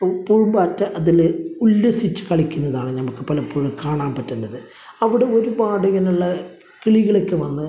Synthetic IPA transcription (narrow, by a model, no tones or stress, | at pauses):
puːɻmbaːtːɨʔɐðilulːesit͡ɕːɨ̥kɐɭikʲːunːɐðaːɳɨnɐmukːɨpɐlɐpːuːɻɐmkaːɳaːmpɐtːunːɐðɨ | ɐʋiɽe̞o̞ɾubaːɽuɣɐnuɭːɐ | kiɭiɣɐɭekːɨʋɐnːɨ